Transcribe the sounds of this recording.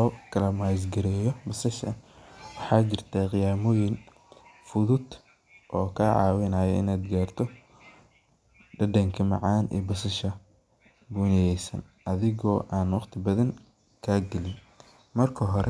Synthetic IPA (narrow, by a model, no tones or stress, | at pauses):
ɔːkʰɐlɐmaːs̬ɡɐɾɛːjɔbɐsɐʃɐ̰wɑħɑːt͡ʃɪrt̪ʰaqɪjaːmɔːjɪn | fʊðʊd̪ | ʔɔːkʰaːʕɑ̰ːwɪnaːjɐɪ̰naːd̪ɡaːrt̪ʰɔ | ɖɐdɐŋkʰɐmɑ̰ʕɑːnʔɛ̰ːbɐsɐʃɐ | buːnɛjɛjsɐ̰n | ʔɐðɪɣɔːʔaːnwɑqt̪ʰɪbɐðɐŋ | kʰaːɡɐlɪn | mɐrkʰɐɦɔɾɛ